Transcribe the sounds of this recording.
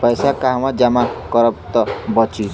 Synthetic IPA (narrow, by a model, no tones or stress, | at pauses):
pʌjsakaɦmãd͡ʒamakɔɾɔp̚t̪ɔbɔt͡ʃi